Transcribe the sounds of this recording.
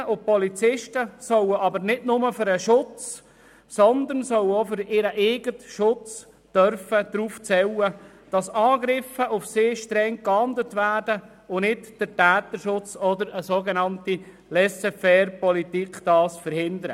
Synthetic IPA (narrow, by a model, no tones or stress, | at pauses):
ʊpɔlit͡sɪʃtəsœwəɑbənɪdnʊməføɾəʃʊt͡s | sɔnd̪ənsœwofʏɾɪɾəʔeːɡətʃʊt͡s | d̥œɾfəd̪̥ɾuːft͡sɛwə | d̥ɑsɑːɡɾɪfəʔʊfseːʃtɾɛŋkɑndətvæːdə | ʊnɪtd̥əɾtæːt̪əʃʊt͡sɔdəɾəsoːɡenɑnti | lɛsɛfɛrpɔlitikd̥ɑːsfəɾhɪnd̪əɾə̰